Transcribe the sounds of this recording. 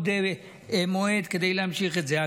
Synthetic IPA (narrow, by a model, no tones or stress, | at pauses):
d̪ev | emoed̪ked̪ejleamʃiχet̪zea